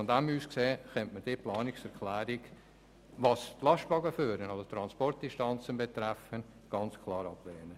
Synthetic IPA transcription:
ɔndæmyːskseːχɛntməd̥iːplɑːnɪksɛɾkʰlæːɾɪk | ʋɑːstlɑʃtvɑɡəfyːɾənɑsot̪ɾɑnspɔrt̚d̥inʃtɑnt͡sənbɛt̪ɾæfən | ɡ̥ɑnt͡skʰlɑːɾɑblɛːnə

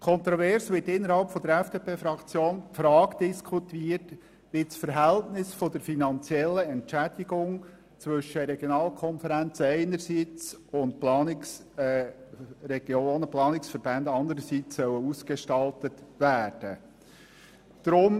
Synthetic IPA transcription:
kʰɔnt̪ɾɔvɛɾsʋɪtɪnːəɾhɑlpfɔd̪əɾɛfd̥eːpʰeːfɾɑkt͡sjoːnpfɾɑːkd̪̥ɪskʰutiːəɾt | ʋɪt͡sfəɾɦæltnɪsfɔd̥̪əɾfinɑnt͡sjɛlːəɛntt͡ʃæd̥iɡʊŋ | t͡sʋʏʃəɾɛɡ̥jonɑːlkʰɔnfəɾænt͡səɛɪnəɾsiːt͡sʊntplɑːnɪks | ɾɛɡ̥joːnəplɑːnɪksfəɾbændɑnd̪əɾəsiːt͡sːœwəuskeʃtɑltətʋæːd̥ə | d̪̥ɾʊm

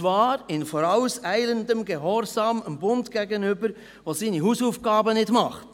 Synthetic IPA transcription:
vɑːɾɪnfɔɾaʊsæɪləndəmɡeɦɔɾzɑːməmbʊntɡ̥ɛɡənʏbəɾ | ʋosiːnihuːsuːfɡ̥ɑːbənɪdmɑχt

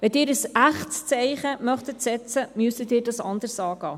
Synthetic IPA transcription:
ʋɛdɪːɾəsæχtst͡sɛɪχəmœχt̪ətsɛt͡səmyəsədɪːɾdɑsɑnd̪əɾsɑːɡ̥ɑː

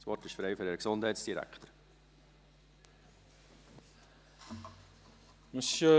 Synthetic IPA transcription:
sʋɔrtɪʃfɾɛɪføɾɛɾəksond̥ɛɪtsd̥iɾæ̰kʰtəɾ | məsə

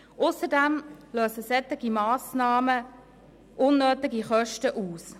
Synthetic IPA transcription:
ʔʊsəɾdɛmløːsəsɛt̪ɪɡ̥imɑːsnɑːmə | ʔʊnːøːtɪɡiχœʃtəʔuːs

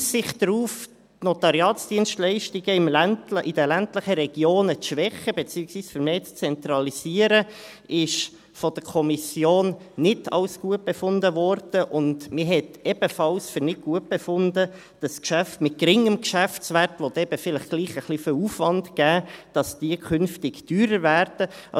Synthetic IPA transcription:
sɪχd̥ɾuːf | tnotɑɾjɑːtsd̥iənʃtlɛɪʃtiɡəɪmlæntʔɪd̥əlæntləχəɾɛɡ̥joːnət͡sʃʋɛχəbet͡siːəksviːsfʏɾmeːt͡st͡sɛnt̪ɾɑlisiəɾə | ʔɪʃ | fɔd̥əɾkʰɔmisjoːnːɪtʰɑ̰lsɡ̥uət̚b̥efʊndəvɔɾd̥əʔʊntmɪɦɛtɛb̥əfɑlsfʏɾnɪt̚ɡ̥uət̚b̥efʊndə | d̥ɑskʃæftmɪt̚kɾɪŋəmkʃæftt͡sʋæɾtʋɔt̪ɛbəfɪləχɡ̥liːχəχlifɪwuːfʋɑntɡ̥æːd̥ɑsd̥iəkʰʏnftɪɡtyːɾəɾvæɾd̥ə

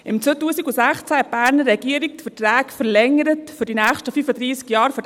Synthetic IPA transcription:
ɪmt͡sʋøːtuːsiɡusæχt͡sæhɛt̚b̥æːɾnəɛɡ̥iəɾik̚tfətrɛːkfəɾlɛŋəɾətfʏɾdinæːχʃtəfyːfəd̪ɾiːskjɑːɾfød

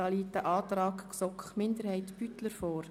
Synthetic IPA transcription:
ɑliːt̪əʔɑːt̪rɑːkksɔkχmɪnd̪əɾhɛɪtb̥yt̪ləɾfɔːɾ

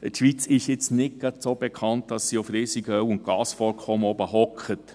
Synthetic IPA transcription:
ətʃʋit͡sɪʃjɪt͡snɪɡ̥ɑd̪sob̥ekʰɑntd̥ɑsːiufɾiːsiɡəœwʊnt̚ɡ̥ɑːsfɔɾkʰɔməɔbəɦɔkχət

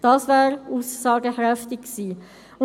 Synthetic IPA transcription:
d̥ɑsvɛːɾuːsːɑːɡəhɾɛftɪkksiː | ʊ

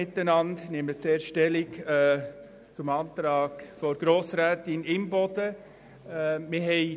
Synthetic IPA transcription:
ɪt̪ːənɑndnɪmət͡seːɾʃtɛlɪkɛː | t͡sʊmɑːntɾɑːɡfɔɾɡ̥ɾoːsɾæːtɪnɪmbɔd̥ə | mɪɦɛɪ

